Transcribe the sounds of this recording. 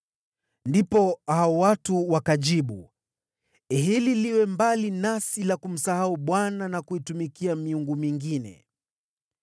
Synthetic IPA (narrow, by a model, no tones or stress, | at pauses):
ndipɔhaɔwatuwakaʄiɓu | ɦililiwɛmbalinasilakum̩sahauɓwananakuitumikiamiuŋɡumiŋɡinɛ̰